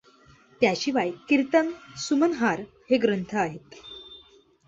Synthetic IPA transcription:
t̪jaɕiʋajkiɾt̪ənsumənɦaɾ | heɡɾənt̪ʰəaɦet̪

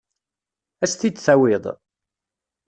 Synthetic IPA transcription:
æst̪id̪θæwɪðˤ

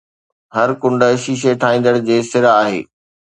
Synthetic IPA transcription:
ɦɐɾkʊ̃ɳɖə̆ʃiːʃ̬eʈʰaːĩːn̆d̪əɽd͡ʑeːsɪɾaːɦḛː

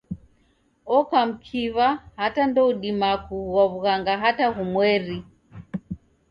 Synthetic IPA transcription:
ɔkam̩kʰiβahatandɔuɗimakuwaβuɣaŋɡaɦataɦumwɛɾi

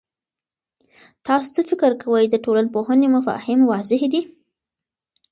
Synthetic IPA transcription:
t̪ɑso̥t͡səfɪkɪɾkawəjd̪əʈolalpohənemafɑ̰hɪmwɑzɪhd̪i

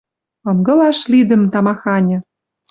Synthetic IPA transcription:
ɤ̆ŋɡɤ̆lɑʃlid̪ə̆mt̪ɑmɑxɑnʲɤ̆

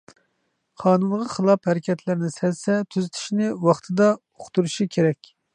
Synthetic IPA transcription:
qʰɑːnunʁɑχəlˠɑphæɾɪkʲʰɛt̪ʰlɪɾnɪsɛlsɛt̪ʰyzɪt̪ʰɪ̥ʃnɪwɑχt̪ʰɨd̪ɑ | oχt̪uɾuʃikʲʰeɾɛkʲ

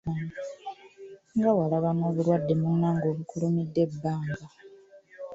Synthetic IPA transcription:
ŋɡawalaβano̞ːβuɾwadːe̞munːaːŋɡo̞ːβukulumidːe̞bːaːŋɡa

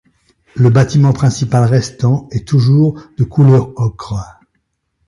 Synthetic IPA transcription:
ləbat̪imɑ̃pχɛ̃sipalʁɛst̪ɑ̃ɛt̪uʒuːʁd̪əkʰulœʁɔkχ

